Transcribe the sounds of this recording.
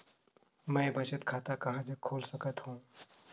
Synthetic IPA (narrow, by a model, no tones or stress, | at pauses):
mə̃ɪbət͡ʃət̪kʰaːt̪akaɦad͡ʒəkʰoːlsəkət̪hũː